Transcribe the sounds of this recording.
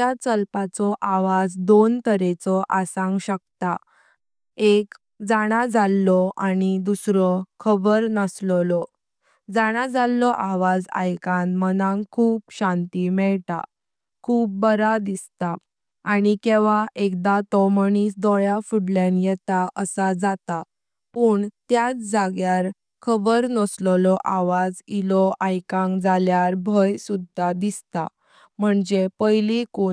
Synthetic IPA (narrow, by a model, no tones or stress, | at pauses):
at͡səlpat͡sɔʔaʋad͡zd̪ont̪əɾet͡sɔʔasãŋɡɕək̚t̪a | ek | d͡zaɽ̃ad͡zalːɔaɽid̪usɾɔkʰəbəɾnəsllɔ | d͡zaɽ̃ad͡zalːɔʔaʋad͡za̰jkãnmənãŋkʰuːbɕãnt̪imɛɭt̪a̰ | kʰuːp̚bəɾad̪ist̪a | aɽikeʋaekd̪at̪ɔmənisd̪ɔjafuɽlãnjɛt̪aʔəsad͡zat̪a | pəɳt̪jat͡sd͡zaɡjaɾ | kʰəbəɾnɔslɔlɔʔaʋad͡zilɔʔajkãŋkd͡zaljaɾbʱəjsud̪ʱːad̪ist̪a̰ | m̤əɳd͡zepəjliko